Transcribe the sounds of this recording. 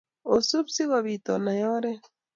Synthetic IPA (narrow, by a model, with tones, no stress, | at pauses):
o˨su˦βsi˦ɣɔ˨βi˨t̪ɔ˨na˨jɔ˦ɾɛ˦